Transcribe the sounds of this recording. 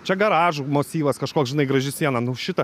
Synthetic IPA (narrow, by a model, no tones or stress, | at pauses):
t͡ʃʲɛɡɐɾɑːʒuːmoːsʲiːʋɐskɐʃkoːksʒʲɪnɐɪɡɾɐʒʲɪsʲiɛnɐnʊʃʲɪt̪ɐ